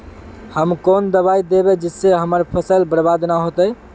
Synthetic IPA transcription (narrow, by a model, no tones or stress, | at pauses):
həmkond̪əβajd̪ebed͡ʒisːeɦəməɾpʰəsəlbəɾbad̪naɦot̪əj